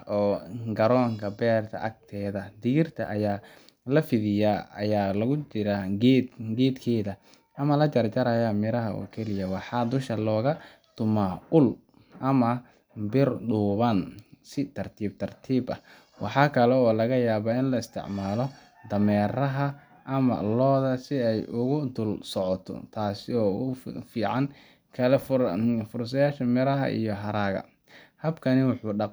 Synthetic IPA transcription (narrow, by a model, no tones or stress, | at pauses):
ɔːɡɐɾɔːŋkʰɐbɛːrt̪ʰɐ̰ʔɐk̚t̪ʰɛːðɐd̪ɪɣɪrt̪ʰɐ̰ʔɐjaː | lɐfɪðɪjaːɐjaːlɐɣʊt͡ʃɪɾaɡɛd̪ɡɛːd̪kʰɛːðɐ | ʔɐmɐlɐt͡ʃɐrt͡ʃɐɾɐjamɪɾɐɦɐʔɔ̰ːkʰɛlɪjɐwɑħɑːd̪ʊʃɐlɔːɣɐ | t̪ʰʊmaːʊl | ʔɐmɐ | bɪrɖuːβɐnsɪt̪ʰɐrt̪ʰiːb̚t̪ʰɐrt̪ʰiːbɐ̰ | wɑħɑːkʰɐlɛɔːlɐɣɐjaːβɐɪnlɐɪst̪ʰɪ̰ʕmaːlɔ | d̪ɐmɛːɾɐɦɐ | ʔɐmɐ̰lɔːðɐsɪɛjʊɣʊd̪ʊlsɔʕɔt̪ʰɔ̰t̪ʰaːsɪɔːʊfiːʕɑn | kʰɐlɛffʊrs̬ɐjaːʃɐmɪɾɐɦɐ̰ʔḭjɔɦɐɾaːɣɐ̰ | hɐbkʰɐnɪwʊħuːɖɑq